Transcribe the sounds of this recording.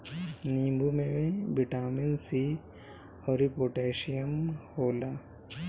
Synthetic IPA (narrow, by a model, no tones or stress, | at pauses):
niːmbʱumẽʋẽbɪʈaːmɪnsi | hɔːɾipoːʈeːʃijəmhoːlaː